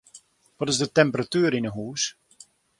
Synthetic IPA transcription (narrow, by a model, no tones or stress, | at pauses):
ʋɔtɪzdətɛmpəratyəɾinəɦuːs